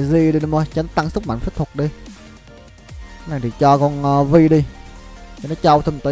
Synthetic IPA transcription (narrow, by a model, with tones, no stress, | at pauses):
zi˧ɗi˧nə˨˦mə˧jt͡ɕa˨˦n˦˥t̪a˧ŋsɨ˦˥k̚ma̰˧˨ŋ̟fə˦˥t̚t̪ʰu˨˩k̚ɗi˧˨˦ | na˨˩t̪ḭ˧˩t͡ɕɔ˧kɔ˧nː˧vi˧ɗi˧ | i˨˧nɔ˨˦t͡ɕa˧wt̪ʰə˧˩mt̪əː˨˦